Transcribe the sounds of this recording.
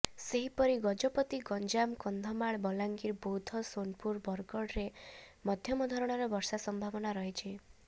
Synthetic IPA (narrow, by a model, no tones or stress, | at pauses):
seɦipɔɾiɡɔd͡ʒɔpɔt̪iɡɔnd͡ʒamkɔnd̪ʱɔmaɭbɔlaŋɡiɾbod̪ʰʱɔsonpuɾbɔɾkɔɽɾemɔd̪ʱjɔmɔd̪ʱɔɾɔɽ̃ɔɾɔbɔɾsasɔmbʱabɔnaɾɔɦit͡ʃʰi